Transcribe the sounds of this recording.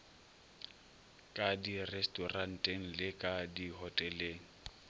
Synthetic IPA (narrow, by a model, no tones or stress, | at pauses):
kʼadirɛstʼɔran̩tʼeŋ̩lɪkʼadiɦɔtʼɛleːŋ̩